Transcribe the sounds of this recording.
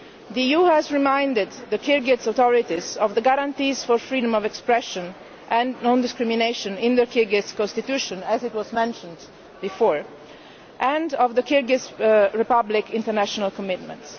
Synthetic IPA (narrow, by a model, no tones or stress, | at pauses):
d̪iijuhɛzɹimãjndɪd̪ːəkʰiɹɡɛtsat̪ɔɹit̪izɔvðəɡaɾãnt̪iːzfɔɹfɹiːdɔ̃mɔvɛkspɹɛʃɔ̃n | ʔɛ̃nnɔ̃nd̪ɪskɹimineʃɔ̃nɪ̃nd̪əkʰiɹɡɪtskɔ̃nst̪it̪juʃɔ̃næzɪtwɔzmɛ̃nʃɔ̃nd̪ | bifɔːɹ | ʔɛ̃ndɔvðəkiɹɡɪtsɹipablɪkɪ̃nt̪əɾnæʃɔnalkɔmɪt̪mɛ̰̃nts